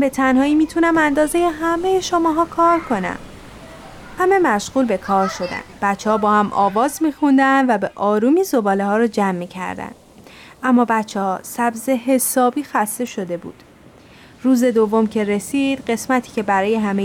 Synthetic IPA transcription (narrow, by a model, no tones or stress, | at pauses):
be̞t̪ʰænhɒːiːmiːt̪ʰunæmænd̪ɒːze̞je̞ɦæme̞jeʃomɒːɦɒːkʰɒːɾkʰo̞næ̰m | hæme̞mæʃɣuːlbe̞kʰɒːɾʃo̞d̪æ̰nb̥æt̪t͡ʃʰːehɒːbɒːhæmʔɒːvɒːzmiːxund̪ænd̪væbeʔɒːɾuːmiːzo̞bɒːlehɒːɾɒːd͡ʒæmːiːcʰæ̰ɾd̪æ̰nd̪̥ | ʔæmːɒːbæt̪t͡ʃʰːehɒsæbze̞ɦe̞sɒːbiːxæst̪e̞ʃo̞d̪e̞bṵːd̪̥ | ruːze̞d̪ovːo̞mcʰe̞ɾe̞siːd̪̥ɢe̞smæt̪ʰiːcʰe̞bæɾɒːje̞ɦæme